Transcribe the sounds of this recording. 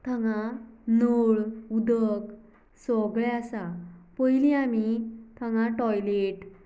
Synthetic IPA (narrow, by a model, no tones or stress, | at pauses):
t̪ʰəŋãnoɭud̪ək | sɔɡɭɛasapəjliamit̪ʰəŋãʈɔjleʈ